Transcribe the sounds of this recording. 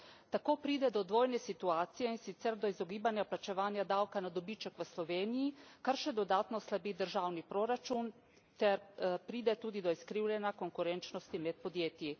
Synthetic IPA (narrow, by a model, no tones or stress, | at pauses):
t̪akoːpɾiːd̪ɛd̪ɔd̪ʋoːjnɛsit̪uaːt̪sijɛinsit̪sɛɾd̪ɔizɔɡiːbanjaplat͡ʃɛʋaːnjad̪awkanad̪ɔbit͡ʃəkʋəslɔʋeːnijikaɾʃɛd̪ɔd̪aːt̪nɔslabid̪əɾʒaːwnipɾoɾat͡ʃun | t̪ɛɾpɾiːd̪ɛt̪uːd̪id̪ɔiskɾiːwlʲjɛnakoŋkuɾɛnt͡ʃnɔst̪imɛt̪̚pɔd̪jeːt̪ji